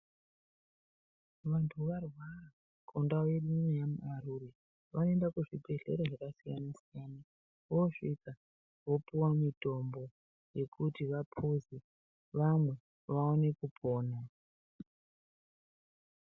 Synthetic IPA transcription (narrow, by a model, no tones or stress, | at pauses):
ʋantʰuʋarwara | kʰondaweɗimwejamṵʔaɾure | ʋanoendakuʐibʱe̞ɮe̞̰ɾaʐakasijanasijaːna | ʋoʂika | ʋo̞piwamito̞mbo̞ | je̞kʰutiʋapʰuzi | ʋamwe̞ | ʋao̞ne̞kupʰoːna